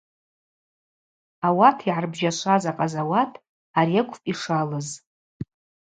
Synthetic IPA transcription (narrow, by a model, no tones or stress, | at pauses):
awatʰiʕarbʒaʃʷazaqʼazawatʰ | aɾiakʷʰʼpʼiʂalɨz